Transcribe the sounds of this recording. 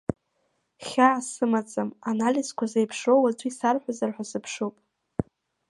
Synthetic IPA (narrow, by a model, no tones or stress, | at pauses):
χʲaːsɨmat͡sʼamanalizkʷazejpʰʂowat͡sʷʼisarħʷᶣazarħʷᶣasɨpʰʂowpʼ